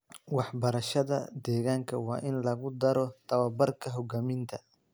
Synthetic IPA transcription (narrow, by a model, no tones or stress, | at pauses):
wɑħbɐɾɐʃɐðɐd̪ɛːɣaːŋkʰɐwɑ̰ːʔɪnlɐɣʊd̪ɐɾɔt̪ʰɐwaːbɐrkʰɐɦɔɡaːmɪnt̪ʰɐ